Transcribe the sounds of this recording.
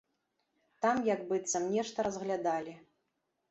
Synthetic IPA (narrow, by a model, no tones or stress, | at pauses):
t̪amjaɡbɨt̪sɐmnʲɛʂt̪ɐɾɐzɣlʲad̪alʲi